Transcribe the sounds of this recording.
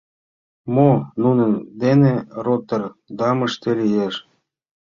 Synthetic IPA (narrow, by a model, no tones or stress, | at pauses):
monunənd̪eneɾot̪ərd̪ɑməʃt̪elʲijeʃ